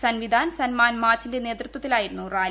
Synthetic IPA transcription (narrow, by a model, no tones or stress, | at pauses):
sɐnʋid̪ʱaːnsɐnmaːnmaːrt͡ɕːinde̞ne̞ːt̪rɐt̪ːwɐt̪ːilaːjiɾunːuraː